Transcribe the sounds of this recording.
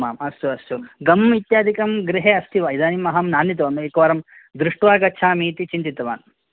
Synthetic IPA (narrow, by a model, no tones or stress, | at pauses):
maːmɐst̪uɐst̪uɡɐmit̪jaːd̪ʱikɐmɡɾiɦeːɐst̪ʰiʋɐid̪aːnimɐɦɐmnaːnːit̪̬ɐʋɐmeːkɐʋɐːɾɐm | d̪ɾuʂʈʋaːɡɐːt͡ʃʰaːmiːt̪it͡ʃint̪it̪ɐʋa̰ːn